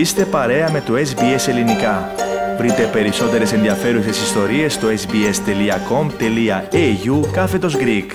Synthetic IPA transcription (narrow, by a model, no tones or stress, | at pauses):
ist̪e̞pɐɾe̞ɐme̞t̪ue̞sbie̞se̞linikɐvɾit̪e̞pe̞ɾiso̞t̪e̞ɾe̞se̞nðiɐfe̞ɾuse̞sist̪o̞ɾie̞st̪oesbie̞st̪e̞liɐko̞mt̪e̞liɐeʝukɐfe̞t̪o̞zɡɾik